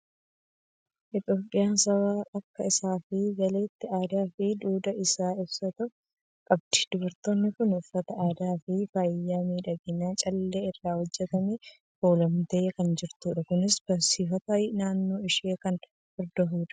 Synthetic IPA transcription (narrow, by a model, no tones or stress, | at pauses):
ʔɪt̪ʼjoːpʼːɪjaːnsɐwaːʔɐkːɐɪsaːfɪɡɐle̞ːt̪ːɪaːd̪aːfɪd̪uːd̪ɐʔɪsaːɪbsɐt̪ɐf | kʼɐbd̪̥ɪ̥d̪̥ʊbɐɾt̪o̞ːnːɪkʊnʊfːɐt̪ɐʔaːd̪aːfɪfajːaːmiːᶑɐɡɪnːaːt͡ʃʼɐlːeːɪrːaːhɔd͡ʒːɛt̪ɐme | foːlɐmt̪ɐjkɐnd͡ʒɪɾt̪uːᶑɐkʊnɪsb̥ɐsiːfɐt̪aːjnaːnːo̞ːɪʃeːkɐn | fɪɾd̪ɐɦuːᶑɐ̥